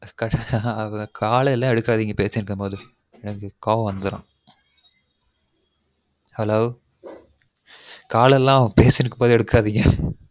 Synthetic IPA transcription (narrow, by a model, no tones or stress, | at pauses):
kɐɐkʰaːlɛlːãːɛɽɯkːaːðiːŋɡɐpeːsɪɾɯkːɐpoːðɯ | ɛnɐkːɯkaːʋɐ̃ʋɐnd̪ɯɾã̰ː | hɛloː | kaːlɛlːãːɐʋɐ̃peːsɪɾɯkːɐpoːðɯɛɽɯkːaːðiːŋɡɐ